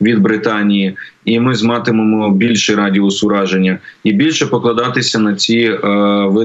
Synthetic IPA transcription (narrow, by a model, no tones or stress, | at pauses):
ʋʲid̪̚bɾɪt̪ɑnʲijiimɪzmɑt̪ɪmemɔbʲilʲʃɪɾɑdʲiʊsʊɾɑʒenʲːɐibʲilʲʃɛpɔklˠɐd̪ɑt̪ɪsʲɐnɐt͡sʲi | ʋɪ